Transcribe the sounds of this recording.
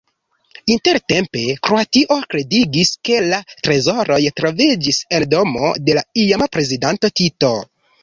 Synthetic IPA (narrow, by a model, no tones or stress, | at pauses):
inte̞ɾte̞mpe̞kɾo̞atiʔo̞kɾe̞diɡiske̞latɾe̞zo̞ɾo̞jtɾo̞vid͡ʒise̞ldo̞mo̞̰de̞laiamapɾe̞zidanto̞tito̞